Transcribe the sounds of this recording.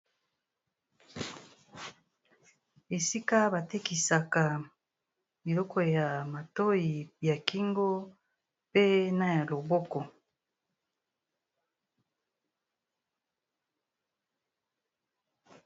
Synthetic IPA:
e˨si˦ka˦ba˨te˦ki˨sa˨ka˨ | i˨lɔ˦kɔ˦ja˨ma˨to˦ji˨ja˨ki˦ŋɡo˦ | pe˦na˦ja˨lo˨bɔ˦kɔ˨

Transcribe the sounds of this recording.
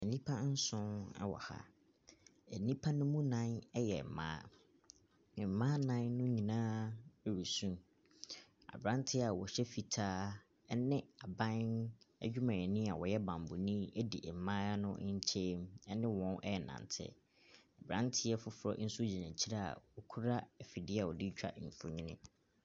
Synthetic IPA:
ɛ˨nĩ˦pʰa˦n̩˦sʊ̃˦nɛ̰˦wɔ̰˨ha̰˦ | ɛ˨nĩ˦pʰa˦nʊ̃˦mũ˦nã˦nɛ˦jɛ̰˨m̩˨mã̰ː˦˨ | m̩˨mã˦nã˦nːʊ̃˦ɲĩ˨nãː˦ɾi˨sũ˦n | a̰˨bɾã˦ntʰɪ˦a˨wɔ˨ɕɛ˦fi˨tʰaː˦ | ɛ˦nɪ̃˦a˨bã˦nɛ̰˦d͡ʑᶣu˦mã˨ɛ˨nɪ̃˦a˨wɔ˨jɛ˦bã˨mbʊ̰˨nĩ˦ɛ˦dḭ˨m̩˨mãː˦nʊ̃˦ɲ̩˦t͡ɕʰe˦mɛ˦nɪ̃˦wɔ̃˦nʔɛ˦ɛ˨nã̰˨ntʰɪ̰˦ | a˨bɾã̰˦ntʰɪ˦jɛ˦fʊ˦fʊ˨ɾɔ̰˦n̩˦sʊ˦d͡ʑi˨nã˨t͡ɕʰi˦ɾa˦a̰˨wɔ˨kʰu˦ɾa˦˨fi˨dɪ˦a˦˨wɔ˨di˦t͡ɕᶣa̰˦˨m̩˨fʊ˦ɲĩ˦nɪ̰̃˦

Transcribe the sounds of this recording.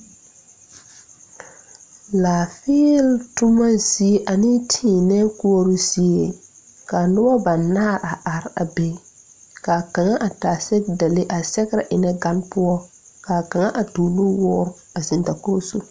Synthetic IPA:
laː˨fiː˦ltʊ˦ma˦zi˨e˦ʔa˨nɪ˦tʰĩ˦˨nɛː˦ku˦o˦ɾu˦zi˦e˦˨ | ka˨nʊ˦bɔ˦ba˨nːa˦˨ɾa˨ʔa˨ɾa̰˨be˦˨ | ka˨ka˨ŋa˦ʔa˨taː˨sɛ˦k̚da˨le˦ʔa˨sɛ˦ɡɾa˨ʔɪ˨nɛ˦ɡa˦npʊ˦ɔ˦ | ka˨ka˨ŋa˦ʔa˨tu˨lu˦wɔː˦ɾ | a˨zɪ˨nta˨ko˦su˦

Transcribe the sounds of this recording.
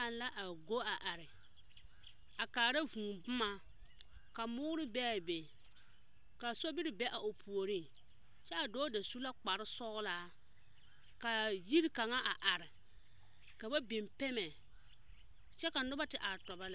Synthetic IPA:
a˨nla˦ʔa˨ɡo˦a˨ʔa˨ɾɪ˨ | a˨kaː˨ɾa˦vũː˨bʊ˦ma˦ | ka˨mʊː˦ɾɪ˦bɛ˦a˨be˨ | ka˨so˦bi˦ɾɪ˦bɛ˦ʔa˨ʔo˨pʰu˨o˨ɾiː˦˨ | t͡ʃɛ˦a˨dɔː˦da˨su˦la˦k͡pa˨ɾɪ˦sɔ˦ɣlaː˦ | ka˨ji˦ɾka˨ŋa˦ʔa˨ʔa˨ɾɪ˨ | ka˨ba˦be˨mpɛ˦mɛ˨ | t͡ʃɛ˦ka˨nʊ˦ba˦tɪ˨ʔa˨ɾtɔ˨ba˦la˦˨

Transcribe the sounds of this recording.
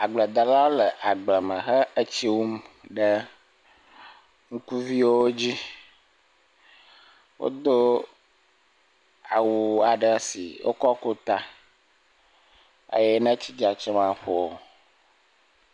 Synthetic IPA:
a˨ɡ͡blɛ˨d̪a˨la˦wo˦lə˨ʔa˨ɡ͡blɛ˨mə̃˨xə˦ə˦t͡ɕi˦wu˦mɖə˦ | ŋu˦ku˦vi˦wo˦wo˦d͡ʑi˦ | wo̰˦d̪o˦ | a˨wu˨a˨ɖə˦sḭ˨wʔo̰˦kɔ˦ko˦t̪a˦ | ḛ˦jɛ˦nə̃˦t͡ɕi˦d͡ʒa˨t͡ʃɛ˦mã˨ɸo˨o˨

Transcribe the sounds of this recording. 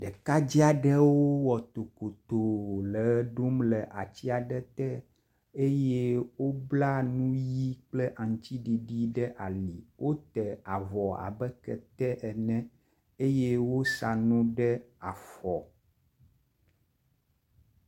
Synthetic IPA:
ɖɛ˨ka˦d͡ʑi˦a˨ɖə˦wo˦wɔ˨t̪o˨ko˨t̪o˨lə˨ɖo˦mlə˨ʔa˨t͡ɕi˦a˨ɖɛ˦t̪ɛ˦ | e˦jɛ˦wo˦bla˦nũ˦ji˦k͡plə˦ʔa˨ŋ˨t͡ɕ̪i˦ɖi˨ɖi˦ɖɛ˦ʔa˨li˨wʔo˦t̪ɛ˨a˨vɔ˨a̰˨bɛ˦kɛ̰˨t̪ɛ˦ʔɛ˨nɛ̃˦ | e˦jɛ˦wo˦sa˨nũ˦ɖɛ˦a˨fɔ˨

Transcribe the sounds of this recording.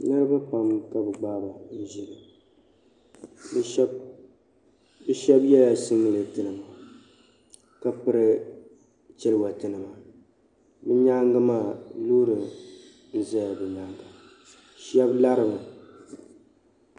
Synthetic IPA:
nɨ˦ɾɨ˦ba˦pa˨mka˦bɨ˨ɡ͡baː˦ba˨n̩˦ʒi˦ɡɨ˨ | bb | bɨ˦ʃɛ˦bjɛ˦la˨sɨ˦ŋːɨ˨lɨ˨tɨ˨nɨ˨ma˨ | ka˨pɨ˦ɾɨ˦ | t͡ʃɪ˦lɨ˦˨wa˨tɨ˨nɨ˨ma˨ | bɨ˦ɲaː˦ŋɡa˦maː˦˨luː˦ɾɨ˨ | n̩˦˨zɛ˦ja˨bɨ˨ɲaː˦ŋɡa˨ | ʃɛ˦bla˦ɾɨ˦ba˨

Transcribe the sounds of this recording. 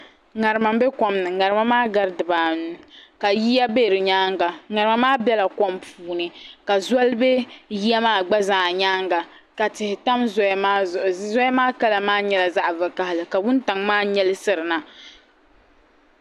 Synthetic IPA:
ŋa˨ɾɨ˨ma˨m˦be˦kɔ˨mnɨ˨ŋa˨ɾɨ˨ma˦maː˦ɡa˦ɾdɨ˨baː˨nu˦ka˨ji˦ja˦be˦˨ɾɨ˨ɲaː˦ŋɡa˨ŋa˨ɾɨ˨ma˦maː˦bɛ˦la˨kɔ˦mpʰuː˦nɨ˨ka˨za˦lbe˦ji˦ɛ˦maː˦˨ɡ͡ba˦zaː˨ɲaː˦ŋɡa˨ | ka˨tɪ˨hɪ˨ta˦mzɔ˦jmaː˦ʊ˨˦zɔ˦ja˦maː˦ka˦la˨maː˦ɲɛ˦la˨za˦ʔvɨ˨ka˦hɪ˨lɨ˨ka˨wʊ˦n˦ta˨ŋmaː˦ɲɛ˦lɨ˦sɨ˨ɾɨ˨na˨

